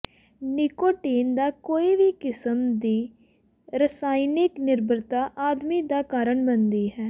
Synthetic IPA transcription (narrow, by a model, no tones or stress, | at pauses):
nɪkoːʈeːnd̪aːkoːiːʋiːkɪsəmd̪iː | ɾəsaːinɪknɪɾbəɾt̪aːʔaːd̪miːd̪aːkaːɾəɳbənd̪iːɦɛː